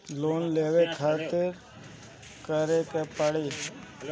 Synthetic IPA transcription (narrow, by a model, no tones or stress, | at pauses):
loːnleːʋekʰaːt̪ɪɾ | kəɾekepəɽiː